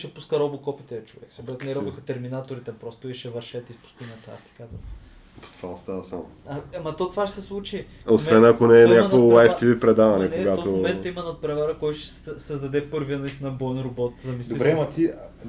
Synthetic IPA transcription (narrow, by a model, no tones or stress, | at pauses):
ʃɛpuskəɾɔbokɔpit̪ɛlɐt͡ʃovɛ̰ksobɾɛt̪nɛɾɔbokət̪ɛɾminat̪oɾit̪ɛpɾɔst̪oiʃɛvɐɾʃɛt̪ispu̥sk̪inɐt̪a̰st̪i̥kazvə̰m | t̪o̥t̪ovaɐst̪avɐsamo̰ɐmɐt̪ot̪ovaʃɛ̥sɛslˠut͡ʃi | osvɛnɐkonɛːnɲak̪oolajft̪ivipɾɛd̪avɐnɛk̪ɛoɡat̪ommɛimɐnɐt̪̚pɾɛvaɾəkɔjt̪ʊʃɛ̥sɛɛsɐzd̪ɐd̪ɛpɤɾvijənɐist̪ʲinɐbɔɛnɾobɔt̪zɐmisd̪oiɾɛmɐt̪i